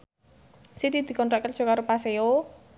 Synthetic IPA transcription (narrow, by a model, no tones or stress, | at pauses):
sit̪id̪̥i̤kɔnt̪ɾaʔkər̥ʒ̥ɔ̤kaɾopaseo